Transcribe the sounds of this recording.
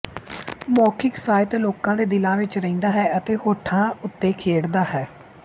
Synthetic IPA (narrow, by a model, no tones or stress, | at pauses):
mɔːkʰɪksaːɪt̪ːloːkãːd̪eːd̪ɪlãːʋɪt͡ʃɾəĩːnd̪aːɦɛːət̪eːhoːʈʰãːʊt̪ːeːkʰeːɽd̪aːɦɛː